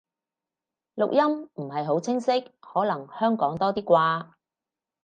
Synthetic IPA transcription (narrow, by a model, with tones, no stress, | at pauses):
lʊ˨k̚jɐ˥mm̩˨˩ɦɐ˨jɦo˨˥wt͡sʰɪ˥ŋsɪ˥k̚hɔː˨˥lɐ˨˩ŋhœː˥ŋkɔː˨˥ŋt̪ɔː˥t̪iː˥kʷaː˧